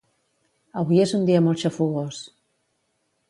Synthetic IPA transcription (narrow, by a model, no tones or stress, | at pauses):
aβujezund̪iamolʃafuɣos